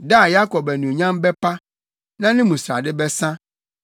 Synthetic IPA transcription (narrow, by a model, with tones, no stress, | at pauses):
da˦˨ja˦kɔ˨bɛ˨nũ˨ɲã˦m˦bɛ˦pa˦ | nã˦nɪ̃˦mũ˨sɾa̰˨dɪ˦bɛ˦sã˦